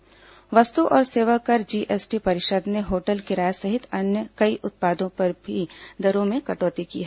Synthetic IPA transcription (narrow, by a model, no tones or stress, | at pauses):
ʋɐst̪uʔɔːɾseːʋəkɐɾd͡ʒiːʔeːsʈipɐɾɪʃəːd̪neɦoːʈəlkɪɾaːjsɐɦɪt̪ɐnjəkɐiʔʊt̪̚paːd̪õpɐɾbʱid̪ɐɾõmẽkɐʈoːt̪ikḭːɦɛː